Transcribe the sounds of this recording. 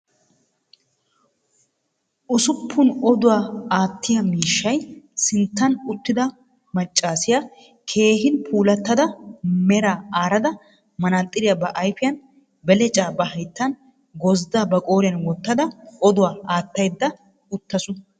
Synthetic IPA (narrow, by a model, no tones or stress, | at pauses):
ʔʊsʊpʰːʊnɔd̪ʊwaːaːt̪ːɪjɐmiːʃːɐjsɪnt̪ːɐnʊt̪ːɪd̪ɐ | mɐt͡ʃʼːaːsɪjɐ | kʰe̞ːɦɪnpʰuːlɐt̪ːɐd̪ɐmɛɾaːaːɾɐd̪ɐ | mɐnat̪ʼːɪd̪ɪjɐbɐʔɐjfɪjɐn | bɛlɛt͡ʃʼaːbɐɦɐjt̪ːɐn | ɡɔzd̪aːbɐkʼo̞ːɾɪjɐnwɔt̪ːɐd̪ɐɔd̪ʊwaːʔaːt̪ːɐjd̪ːɐ | ʊt̪ːɐsʊ